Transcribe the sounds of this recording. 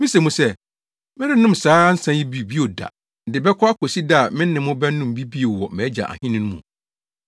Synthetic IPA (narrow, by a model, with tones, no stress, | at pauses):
mĩ˦se˨mũ˦sɛ˦ | mɪ̃˦dɪ˦nʊ̃˦˨msaː˨˦n̩˦sã˦ji˦bi˦bi˦o˨da̰˨ | dɪ˨bɛ˦kʰɔ˦a˦kʰo˨si˦da˦˨mɪ̃˦n̩˦nɪ̃˨mʊ̃˦bɛ˦n˦ʊ̃˦m˨bi˦bi˦o˨wɔ˨mɛ̃˨˦d͡ʑa̰˨ʔa̰˨hɪ̃˦nɪ̃˦ñ˦mṵ̃˨